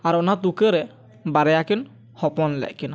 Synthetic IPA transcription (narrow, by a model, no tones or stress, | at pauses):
aɾɔnad̪ukɛɾɛ | baɾɛjakin | hɔpɔnlɛ̰ʔkina